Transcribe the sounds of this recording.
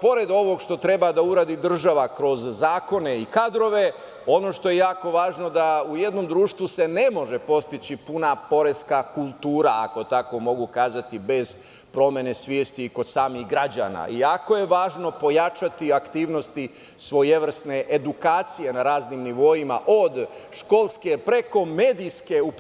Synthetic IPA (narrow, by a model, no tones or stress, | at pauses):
po̞ɾe̞d̪o̞ʋo̞ɡʃt̪o̞t̪ɾe̞bad̪auɾaːd̪id̪r̩ʒaʋakɾo̞zzaːko̞ne̞ikad̪ɾo̞ʋe̞ | o̞no̞ːʃt̪o̞jejaːko̞ʋaːʒno̞d̪auje̞d̪no̞md̪ɾuːʃt̪ʋuse̞ne̞mo̞ʒe̞po̞st̪it͡ɕipunapo̞ɾe̞skakulˠt̪uːɾaa̰ko̞t̪ako̞mo̞ɡukaːzat̪ibe̞z̥ | pɾo̞mʲje̞ne̞sʋjeːst̪iːko̞d̪saːmiɣɡɾad͡ʑa̰na̰iako̞je̞ʋaːʒno̞po̞jat͡ʃat̪iakt̪iːʋno̞st̪i | sʋo̞jeʋr̩sne̞ʔed̪ukaːt̪sije̞naɾaːznimniʋo̞jima̰ʔo̞d̪ʃko̞lˠske̞pɾe̞ko̞meːd̪iske̞up